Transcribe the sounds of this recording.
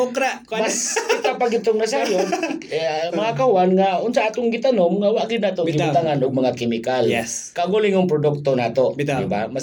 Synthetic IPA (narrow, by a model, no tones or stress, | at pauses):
okɾamaskɪt̪apaɡɪd̪̚t̪ʊŋnasajo | mɐŋakahʊanŋaʊnsaʔaːt̪oŋɡɪt̪anomŋawaʔɡɪd̪nat̪oŋɡɪt̪aŋanʔʊɡ̚mɐŋakɪmɪkalɛskaɡulɪŋʊŋpɾodʊk̚t̪onaːt̪odɪba̰mas